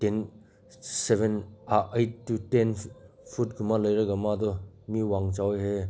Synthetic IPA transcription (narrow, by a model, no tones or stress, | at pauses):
ten | sebʱenaʔejtːutenpʰut̚ɡumalɐjɾɐɡamadɔ | miwaŋt͡ʃawjɦe